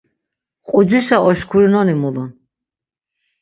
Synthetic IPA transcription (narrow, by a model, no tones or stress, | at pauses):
qʼud͡ʒiʃaʔɔʃkʰuɾinɔnimulun